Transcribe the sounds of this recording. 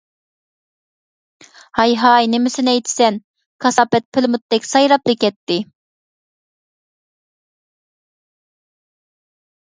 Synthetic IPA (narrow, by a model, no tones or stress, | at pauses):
hɑjɦɑjnɪmɪsɪnɛjt̪ʰɪ̥sɛn | kʰɑsɑːpɛt̪̚pʰɪlmut̪̚ːd̪ɛkʲsɑjɾɑplɪkʲɛt̪ːɪ